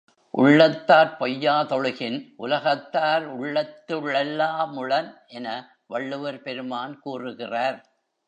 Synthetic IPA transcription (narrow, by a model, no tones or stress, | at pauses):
ʔʊ̰ɭːɐt̪ːaːɾpɔjːaːt̪ɔɻɯɣɪnʔʊlɐɣɐt̪ːaːɾʊɭːɐt̪ːɯɭɛlːaːmʊɭɐnʔɛnɐ | ʋɐɭːɯʋɐɾpɛɾɯmaːnkuːrɯɣɪraːɾ